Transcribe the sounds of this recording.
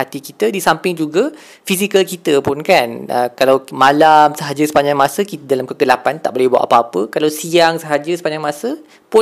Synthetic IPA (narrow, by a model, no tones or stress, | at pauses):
at̪ikit̪ədisampɪŋd͡ʒuɡa | fisikəlkit̪əpʊnkanʔə̰kalawmalamsəɦad͡ʒəsə̥paɲd͡ʒaŋmasəkit̪ədalamkəɡəlapant̪a̰ʔbolɛhbua̰ʔapaapəkalawsiaŋsəɦad͡ʒəsə̥paɲd͡ʒaŋmasə | pʊ